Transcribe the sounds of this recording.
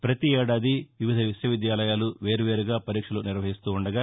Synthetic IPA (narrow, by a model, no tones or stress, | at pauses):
pɾɐt̪ieːɽaːd̪iʋiʋid̪ʱɐʋiʃjɐʋid̪jaːlɐjaːluʋe̞ːɾuʋeːɾuɡaːpɐɾiːkʂɐluniɾʋɐɦist̪uːuɳɖɐɡaː